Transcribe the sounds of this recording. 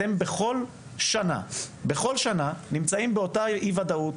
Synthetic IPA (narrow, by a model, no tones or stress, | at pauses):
embeχo̞l | ʃana̰be̞χo̞lʃananimt͡saimbe̞o̞taʔivad̪aut